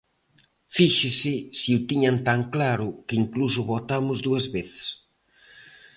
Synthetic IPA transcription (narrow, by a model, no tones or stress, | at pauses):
fiʃɪsɪsiut̪iɲant̪aŋklaɾʊkɪiŋklus̬ʊβot̪amʊzðuɐzβeθɪ̥s